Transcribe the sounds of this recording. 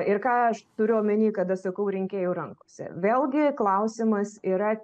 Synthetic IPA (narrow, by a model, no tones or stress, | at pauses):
ɪɾkɑːɐʃt̪ʊɾʲʊɐmʲɪnʲiːkɐt̪ɐʃsɐkɐʊɾʲɪŋʲkʲeːjɛʊɾɐŋkoːsʲɪ̰ʋʲeːlˠɡʲɪklˠɐʊsʲimɐsiːɾɐ